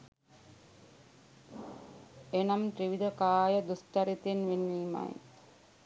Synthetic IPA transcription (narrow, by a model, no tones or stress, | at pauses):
enamʈ̪ɾiʋid̪əkaːjəd̪usʈ̪aɾit̪enʋenːiːma̰j